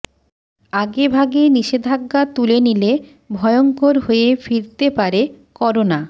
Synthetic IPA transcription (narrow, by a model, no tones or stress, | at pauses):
aɡebʱaɡeniʃed̪ʱaɡːat̪ulenile | bʱɔeoŋkoɾɦoefiɾt̪epaɾekɔɾona